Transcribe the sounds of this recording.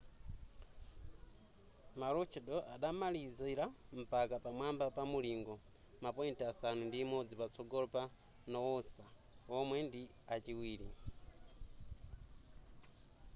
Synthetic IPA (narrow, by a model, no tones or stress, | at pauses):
maɾɔt͡ʃʰɛɗɔʔaɗamaliziɾam̩pakapamwambapamuliːŋɡɔ | mapɔintɛasanundiːmɔd͡zipat͡sʰɔɡɔlpa | nɔwɔsa | ɔmwɛndi | at͡ʃiwiːɾi